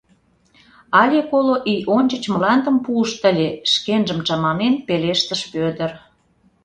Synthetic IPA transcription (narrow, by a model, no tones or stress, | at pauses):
ɑlʲekoloʔijonʲt͡ɕət͡ɕməlɑnd̪ə̆mpuːʃt̪ə̆lʲeʃkenʒəmt͡ɕɑmɑmenpeleʃt̪əʃpød̪ə̆r